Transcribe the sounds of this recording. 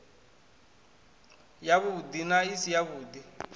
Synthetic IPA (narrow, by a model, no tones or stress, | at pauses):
jaβud̪inaisijaβuːd̪i